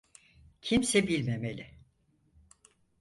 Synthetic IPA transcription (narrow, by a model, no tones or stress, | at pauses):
cʰimsɛbilʲmemelʲɪ